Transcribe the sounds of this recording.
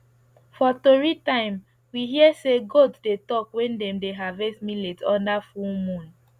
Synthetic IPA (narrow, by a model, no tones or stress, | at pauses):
fɔtoɹitãɪ̃m | wiɦiəseɡoddetɔkwɛ̃ndɛ̃mdeɦavɛsmiletɔ̃ndafumũn